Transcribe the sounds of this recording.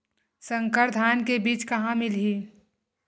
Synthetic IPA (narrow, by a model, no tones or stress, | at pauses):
sə̃ŋkəɾd̪ʱaːnkebiːt͡ʃkɐɦãmɪlɦiː